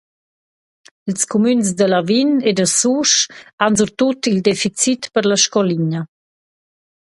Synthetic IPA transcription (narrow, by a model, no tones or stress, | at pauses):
ilskumynsd̪əlavined̪əsuʃanzuɾt̪ut̪ild̪ɛfit͡sit̪pəɾlaʃkɔliɲə